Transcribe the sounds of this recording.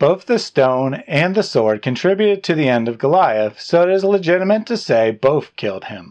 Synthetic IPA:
b̥oʊθðɨstõʊ̃nɨ̃nðɨsɔɹd̚kʰɨ̃ntʰɹ̥ɪbjʉɾɨd̚tʰɨðiɛ̃ndʌvɡəlaɪɨsoʊɨɾɨzləd͡ʒɪɾəmɨ̃ntʰɨseɪboʊθkʰɪ̰lˠd̚ɪ̃m

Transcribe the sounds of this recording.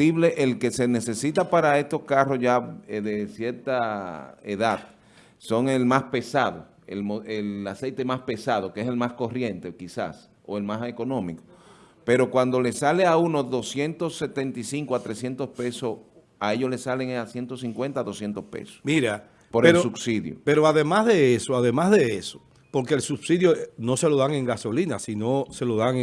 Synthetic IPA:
iβle̞ʔelke̞se̞ne̞se̞sit̪apaɾae̞st̪o̞skaro̞sʝaðe̞sje̞ɾt̪aeðað | so̞ŋe̞lmaspe̞saðo̰ | ḛlmoelase̞jt̪e̞maspe̞sað̞o̞keese̞lmasko̞rje̞nt̪ekisa̰s | oe̞lmaseko̞nõ̞miko | pe̞ɾo̞kwand̪o̞le̞saleaunoðo̞sje̞nt̪o̞sːe̞t̪e̞nt̪isiŋkoat̪ɾe̞sje̞nt̪o̞spe̞so | ae̞ʝo̞sle̞saleŋasje̞nt̪osiŋkwent̪aðo̞sje̞nt̪o̞spḛso̥miɾa | po̞ɾeelɾosubsiðjo̰pe̞ɾoaðe̞mazðe̞esoaðe̞mazðe̞eso̥ | po̞ɾkeːlsubsiðjono̞se̞lo̞ðaŋe̞ŋɡaso̞linasino̞se̞lo̞ðaŋ

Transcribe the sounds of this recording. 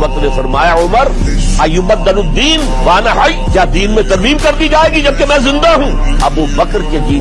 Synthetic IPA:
bɐkɾnefɐɾmaːjaʊməɾ | ɐjːʊbɐd̪ːɐnʊd̪ːiːn | ʋaːnaɦɐjd͡ʒad̪iːnmẽt̪ɐɾmiːmkɐɾd̪id͡ʒaːeːɡid͡ʒɐb̚kemɛ̃zɪ̃nd̪aɦũːɐbubɐkɾked̪iː

